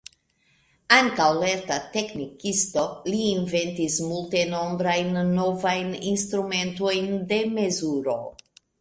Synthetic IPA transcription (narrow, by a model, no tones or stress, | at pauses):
aŋkawle̞ɾtate̞knikist̪o̞liːnve̞ntismulte̞no̞mbɾajnːo̞vajninst̪ɾume̞nto̞jnde̞me̞zuɾo̞